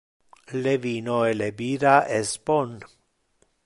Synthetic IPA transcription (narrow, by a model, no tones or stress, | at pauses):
levinoelebiɾaʔespon